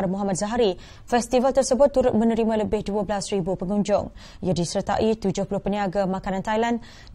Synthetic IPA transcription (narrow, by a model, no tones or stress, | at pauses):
rmɔɦamat̪̚zaɦaɾi | fɛst̪ivalt̪ərsəbʊt̪ːuɾʊt̪̚mə̃nəɾimãləbɪhduəblasribupəŋũɲd͡ʒʊ̰ŋ | jadisərt̪a̰ʔit̪ud͡ʒʊhpulʊhpəniaɡamãkanãnt̪ajlan